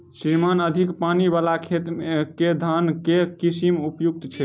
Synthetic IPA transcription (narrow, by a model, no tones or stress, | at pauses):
sɾimanəd̪ʱikpanibalakʰet̪ked̪ʱankekisimupjuk̚t̪t͡ʃʰɛ